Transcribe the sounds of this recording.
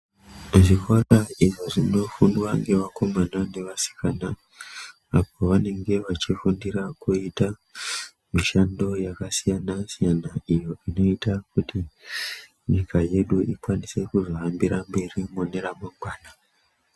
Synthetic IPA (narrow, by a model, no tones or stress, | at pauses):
ʐikwaraiʐo̞ʐino̞fundwaŋɡe̞ʋako̞manane̞ʋasi̥kanaː | po̞ʋane̞ŋɡe̞ʋat͡ʃifundiɾakuita | miʃando̞jakasijanasijanaijo̞ino̞itakuti | ɲikaje̞ɗuikwanise̞kuzo̞ambiɾambe̞rimone̞ɾamaɡwaːna